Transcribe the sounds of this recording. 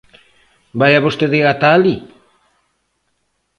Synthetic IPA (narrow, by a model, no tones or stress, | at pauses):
bajaβost̪eðeɣat̪ali